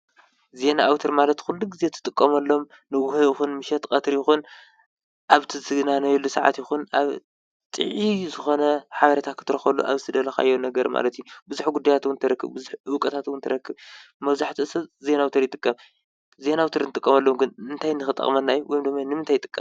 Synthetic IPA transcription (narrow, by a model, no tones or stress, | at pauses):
ze̞naʔːwt̪ʰoɾmalɐt̪xulːuɡize̞t̪ʰɨ̥t̪ʼɨkʼːɐmɐlːo̞m | nɨɡuhojixunmɨʃɛt̪kʼɐt̪ʰɾjɪxun | ʔaβt̪ʰɨsɨɡɨnanɐjɛlːusaʕa̰t̪jɪxunʔaβ | t̪ʼɨ̰ʕizɨxo̞nɐħaβɐɾɐt̪ʰakʰɨt̪ʰɨɾɐxɐlṵʔa̰βzɨt̪ʰɨd̪ɐlɐxa̰jːonːɐɡɐɾma̰lɐt̪jubɨzuħɡud̪ːajat̪wunt̪ʰɐɾɐkːɨβbɨzuħɨwkʼɐt̪ʰat̪wunt̪ʰɐɾɐkːɨβ | mɐβzaħt̪ʰɨɨsɐze̞nawt̪ʰoɾjɪt̪ʼɨkʼːɐm | ze̞nawt̪ʰoɾɨnɨt̪ʼɨkʼːɐmɐlːomɡɨnɨnt̪ʰajnɨxɨt̪ʼːɐ̰χʼmɐnːajwʔɔjmd̪ɨmːajnɨmɨnt̪ʰajɪt̪ʼɨkʼːɐ̰m